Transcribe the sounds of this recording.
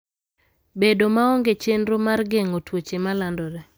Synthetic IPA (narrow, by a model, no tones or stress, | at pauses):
bedomaɔŋɡet͡ʃenɾomarɡeŋotwot͡ʃemalandɔɾɛ